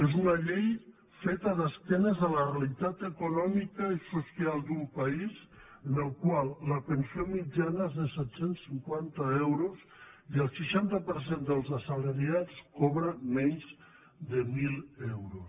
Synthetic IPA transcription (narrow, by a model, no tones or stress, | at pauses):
ezunəʎej | fet̪əðəsk̪ɛnəzðələrealit̪at̪əkunɔmikəisusjalˠd̪umpəiz | ənəlˠkwalˠːəpənsiomid͡ʒanəezðəsɛt̪sensːiŋkwant̪əɛwɾuz | iəlˠsəʃant̪əpəɾsend̪əlˠzəsələɾiat͡skɔβɾəmɛɲz | d̪əmilˠɛwɾus